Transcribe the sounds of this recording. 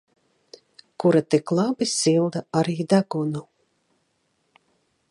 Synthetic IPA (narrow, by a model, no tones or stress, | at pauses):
kuɾat̪iklˠabisilˠd̪aaɾiːd̪aɡunu